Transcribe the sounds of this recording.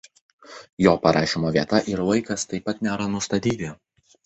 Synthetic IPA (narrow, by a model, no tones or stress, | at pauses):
joːpɐɾʔɑːʃʲimoːʋʲiɛt̪ɐʔɪɾʋɐɪkɐst̪ɐɪpːɐt̪nʲæːɾɐnʊst̪ɐt̪ʲiːt̪ʲɪ